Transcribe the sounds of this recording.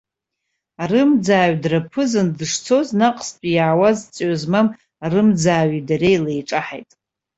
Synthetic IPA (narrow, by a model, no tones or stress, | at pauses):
arɨmd͡zaːɥdrapʰɨzɨndɨʂt͡sʰo̞znaqʼspʼijaawazt͡sʼozmam | arɨmd͡zaːɥidaɾejlejʈ͡ʂʼaħa̰jtʼ